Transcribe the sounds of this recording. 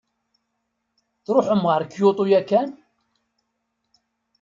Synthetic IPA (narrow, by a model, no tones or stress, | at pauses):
θɾoħəmʁəɾkːjot̪ˤujækːæn